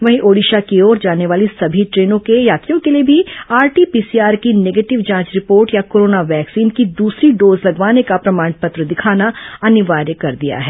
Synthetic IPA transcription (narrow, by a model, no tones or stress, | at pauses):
ʋɐɦĩʔoːɽiːʃakiɔːɾd͡ʒaːneʋaːlisɐbʱiʈɾeːnõkejaːk̪ijõkeliebʱiaːɾʈiːpiːsiaːɾkineːɡeːʈɪʋd͡ʒãːt͡ʃɾɪpoːɾʈjakoːɾoːnaʋɛːksiːnkid̪uːsɾiɖoːzlɐɡʋaːnekapɾɐmaːɳpɐt̪ɾəd̪ɪkʰaːnaɐnɪʋaːɾjəkɐɾd̪ija̰ɦɛː